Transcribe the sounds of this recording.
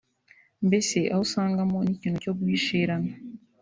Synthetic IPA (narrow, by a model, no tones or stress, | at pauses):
mbeseʔausaːŋɡamonicinocobuiʃeːɾana